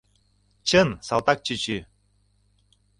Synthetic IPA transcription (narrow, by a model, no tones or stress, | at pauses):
t͡ɕʰənsalˠt̪ak̚t͡ɕit͡ɕy